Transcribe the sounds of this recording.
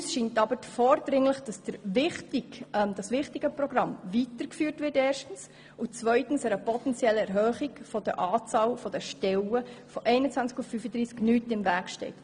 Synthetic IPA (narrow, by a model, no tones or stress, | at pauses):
sʃintɑbəfɔːɾdɾɪŋləχd̥ɑsd̥əɾvɪχtɪd̥ɑsʋɪχtɪɡ̥əprɔɡɾɑmvitəɾkfyːɾtʋɪteːrʃtən̩s | ʊt͡svœʏtn̩sɛɾəpɔtɛnt͡sjɛləɛɾɦœːχiɡfɔd̥əʔɑːt͡sɑːlfɔd̥əʃtɛləfɔʔɛɪnət͡sʋænt͡skʊffyfədɾiːsknyːtɪmvæːkʃtɛ̰ɪt